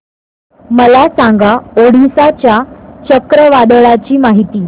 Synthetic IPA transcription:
məlasaŋɡaoɽisat͡ɕjat͡ɕəkɾəʋad̪əɭat͡ɕiːmaɦit̪iː

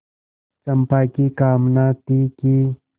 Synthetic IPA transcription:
t͡ʃɐmpaːkikaːmnat̪iki

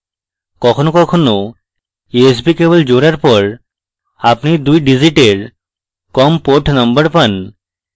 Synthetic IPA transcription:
kɔkʰonokɔkʰono | ees̬bikebold͡ʑoɾaɾpɔɾ | apnid̪ujɖid͡ʑiʈeɾ | kɔmpoʈʰnʌmbəɾpan

